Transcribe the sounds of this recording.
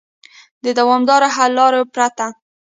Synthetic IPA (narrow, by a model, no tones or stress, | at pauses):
d̪əd̪awɑmd̪ɑɾaɦalːɑɾopɾat̪a